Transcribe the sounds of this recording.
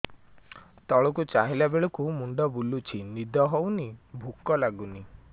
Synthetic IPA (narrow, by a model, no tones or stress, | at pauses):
t̪ɔɭɔkut͡ʃaɦilabeɭɔkumuɳɖɔbulut͡ʃʰinid̪ʱɔɦownibʱukɔlaɡuni